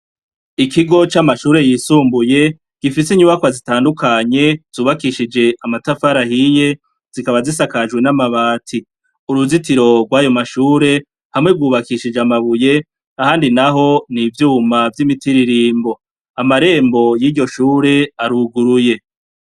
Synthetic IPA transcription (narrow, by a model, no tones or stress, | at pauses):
ikiɡo̞t͡ʃamaʃuːɾe̞jiːsuːmbuje̞ | ɡ̥ifisiɲuβakwazitaːndukaɲe̞z̥uːβakiʃid͡ʒe̞amatafaɾahije̞ | z̥ikaβazis̬akaʒɡwe̞namaβaːtʰi | uɾuzitiɾo̞ɡwaːjo̞maʃuːɾe̞ | hamŋe̞ɡ̚wuːβakiʃid͡ʒamaβuje̞ | ahaːndinaɦo̞nivjuːmavjimitiɾiɾiːmbo̞ | amaɾe̞ːmbo̞jiːɾɟo̞ʃuːɾe̞aɾuɡuɾuje̞